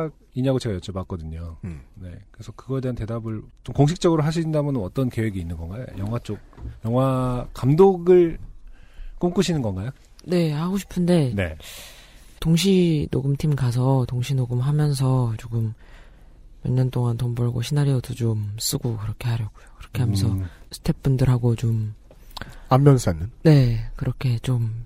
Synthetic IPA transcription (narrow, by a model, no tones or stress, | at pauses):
ɡ̚ | iɲaɡot͡ɕe̞ɡajʌt͡ɕ͈ʌbak͈ʌdɯɲone̞kɯɾesʰʌkɯɡʌedeante̞dabɯɭt͡ɕomkoŋɕʰik̚t͡ɕ͈ʌɡɯɾoɦaɕ̬ʰiindamjʌnɯnʌt͈ʌnke̞we̞ɡiːnːɯnɡʌnɡajo̰jʌŋɦwat͡ɕ͈ok̚jʌŋwakamdoɡɯɭ | k͈umk͈uɕʰinɯnɡʌnɡajo | ne̞haɡoɕʰi̥pʰɯnde̞ne̞ | toŋɕʰino̰ɡɯmtʰimkas̬ʰʌtoŋɕʰinoɡɯmɦamjʌns̬ʰʌt͡ɕoɡɯmː | ʌnɲʌnt͈oŋantʌmbʌɭɡo̰ɕʰinaɾiotut͡ɕoms͈ɯɡokɯɾʌkʰe̞ɦaɾjʌɡujokɯɾʌkʰe̞ɦamjʌnsʰʌsʰɯ̥tʰe̞p̚p͈undɯɾɦaɡot͡ɕom | amːjʌns͈anːɯnne̞kɯɾʌkʰe̞t͡ɕom